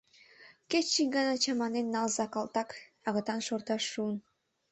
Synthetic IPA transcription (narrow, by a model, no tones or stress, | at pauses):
ket͡ɕt͡ʃikɡɑnɑt͡ɕɑmɑnenːɑlzɑkɑlt̪ɑkɑɣɤt̪ɑnʃort̪ɑʃːuən